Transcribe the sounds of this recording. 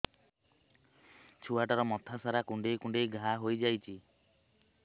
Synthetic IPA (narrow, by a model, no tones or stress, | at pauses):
t͡ʃʰuaʈɔɾɔmɔt̪ʰasaɾakũɳɖejkũɳɖejɡʱaɦojd͡ʒajt͡ʃʰi